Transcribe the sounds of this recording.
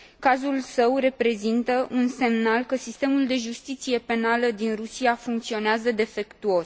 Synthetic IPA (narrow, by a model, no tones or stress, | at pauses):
kazulsəwre̞pɾe̞zint̪əʔunse̞mnalkəsist̪emuld̪e̞ʒust̪it̪sije̞pe̞naləd̪inrusiafuŋk̚t̪sio̞neazəd̪e̞fe̞kt̪uo̞s